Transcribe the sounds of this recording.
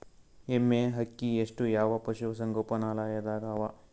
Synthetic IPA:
emːeːɦɐkːieʂʈujaːʋɐpɐʃuʋɐsɐŋɡoːpɐnaːlaːjɐd̪aːɡaːʋɐ

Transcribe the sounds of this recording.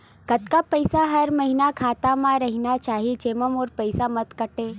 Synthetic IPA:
kɐt̪kapɐɪsaɦɐɾmɐɦinakʰaːt̪amãɾɐɦinat͡ʃaːɦit͡ʃeːməmoːɾpɐɪsamɐt̪kɐʈeː

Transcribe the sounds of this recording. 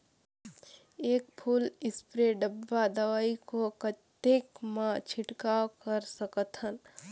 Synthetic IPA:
eːkpʰuːlɪspɾeɖəbːad̪əwaːikokət̪ekmãt͡ʃʰɪʈkaokəɾsəkət̪ɦən

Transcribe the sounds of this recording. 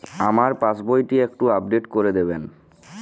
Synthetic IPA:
amaɾpasbojʈiek̚ʈuab̚ɖeʈkoɾed̪eben

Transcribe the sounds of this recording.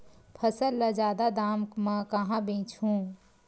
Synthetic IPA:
pʰəsəlːəd͡ʒjaːd̪ad̪aːmkmakəɦãbĩːt͡ʃʰɦũː

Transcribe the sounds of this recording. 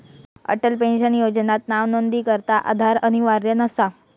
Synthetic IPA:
ə̰ʈəlpẽnɕənjod͡znat̪naʋnond̪iːkəɾt̪aʔa̰d̪ʱaɾəɽ̃iʋaɾjənəsa

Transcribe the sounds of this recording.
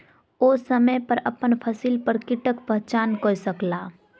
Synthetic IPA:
oːsəməjpəɾɐpənpʰəsilpəɾkɪʈəkpəɦt͡ʃaːnkoːsəklaː

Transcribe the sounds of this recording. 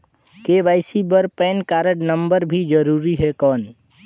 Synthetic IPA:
kebaɪsibəɾpɛnkaɾəʈnəmbəɾbʱid͡ʒəɾuɾiɦekɔn

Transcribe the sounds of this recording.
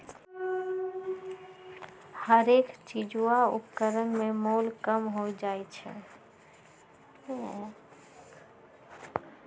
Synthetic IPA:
həɾeːkt͡ʃid͡ʒuwaʊ̰pkəɾənmẽmoːlkəmɦod͡ʒaet͡ʃʰɛ̰

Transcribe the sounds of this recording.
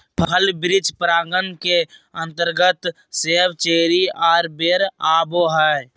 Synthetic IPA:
pʰəlbɾɪd͡ʒpɾaːɡənkeə̃nt̪əɾɡət̪ | sebt͡ʃeːɾiaːɾbeɾaːboɦɛː

